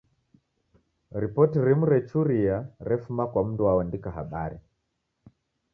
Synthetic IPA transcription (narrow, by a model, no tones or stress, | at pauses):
ɾipɔtiɾimuɾɛt͡ʃuɾiaɾɛfumakwam̩duwawandikaɦa̰ɓaɾi